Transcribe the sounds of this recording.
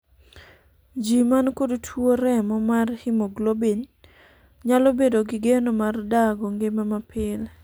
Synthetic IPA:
d͡ʒimankodtʰwoɾɛmɔmarhimoɡlobin | ɲalobedoɡɪɡenomardaɡoŋɡemamapʰɪl

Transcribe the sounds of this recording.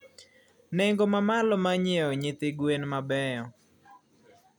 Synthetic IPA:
neŋɡomamalɔmaɲɛɔɲɪt̪ɪɡwenmabɛɔ

